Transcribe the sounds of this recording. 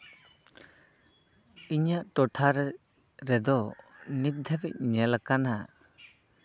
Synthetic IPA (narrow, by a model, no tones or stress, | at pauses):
iɲaʔtɔtʰaɾɛ | ɾɛd̪ɔnit̪̚d̪ʱɛbɛc̚ɲɛlakana